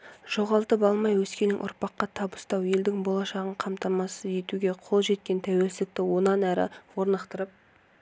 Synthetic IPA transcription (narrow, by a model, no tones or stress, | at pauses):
ʒ̥o̞ʁɑlˠt̪əpɑlˠmɑjwɵskʲelɪŋʔʊ̰ɾpɑqːɑt̪ʰɑbəst̪ɑwe̞ld̪ɪŋbo̞lˠɑʃɑʁəɴqʰɑmt̪ɑmɑsəze̞t̪uɡʲe̞qʰo̞lˠʒe̞t̪̚kʲe̞nt̪ʰæwe̞lsɪɪk̚t̪ɪwo̞nɑnæɾɪ̰wo̞ɾnɑqt̪əɾəp̚